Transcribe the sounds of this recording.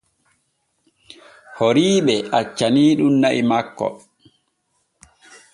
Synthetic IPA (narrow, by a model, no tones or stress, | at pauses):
hoɾiːɓɛat͡ʃːaniːɗunnaʔimakːɔ̰